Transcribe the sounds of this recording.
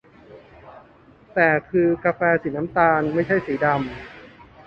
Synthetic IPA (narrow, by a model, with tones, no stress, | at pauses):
t̪ɛː˨˩kʰɯː˧kaː˧fɛː˧siː˩˦na˦˥mt̪aː˧nma˥˩jt͡ɕʰa˥˩jsiː˩˦da˧m